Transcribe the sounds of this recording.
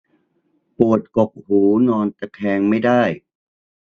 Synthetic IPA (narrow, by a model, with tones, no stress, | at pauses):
pu˨˩ət̪̚ko˨˩p̚huː˩˦nɔː˧nt̪ɛ˨˧˩k̪ʰɛː˧ŋma˥˩jdaː˥˩j